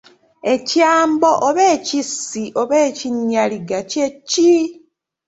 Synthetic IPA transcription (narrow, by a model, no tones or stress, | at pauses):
e̞caːmbo̞ʔoβeːcisːiʔoβeːciɲːaliɡacecːi